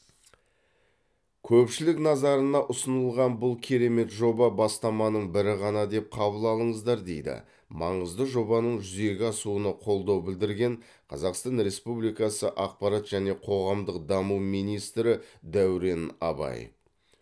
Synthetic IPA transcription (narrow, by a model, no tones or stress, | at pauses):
kʲʰɵpʃɪlɪknɑzɑɾənɑʔʊsənəlˠʁɑnbʊlˠkʲʰe̞ɾe̞me̞t̪ʒo̞bɑbɑst̪ɑmɑnəɴbɪɾɪʁɑnɑd̪e̞p̚qʰɑbəlˠɑlˠəɴəzd̪ɑɾd̪e̞jd̪ɪ̰ | mɑɴəzd̪əʒo̞bɑnəɴʒʏze̞ɡʲɪɑsuənəqʰo̞lˠd̪ɑwbɪld̪ɪɾɡʲe̞ɴ | qʰɑzɑqst̪ɑnɾe̞spublijkɑsəʔɑqpɑɾɑt̪ʒ̥æne̞qʰo̞ʁɑmd̪əqd̪ɑmuwmijnijst̪ɾɪd̪æwɾe̞nɑ̰bɑ̰j